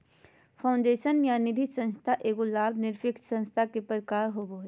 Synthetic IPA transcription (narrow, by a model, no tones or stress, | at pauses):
pʰaʊ̃ɳɖeːʃənjanɪd̪ʱisə̃nst̪ʰaʔeːɡolaːbnɪɾpʰɪksə̃nst̪ʰakepəɾkaːɾɦobo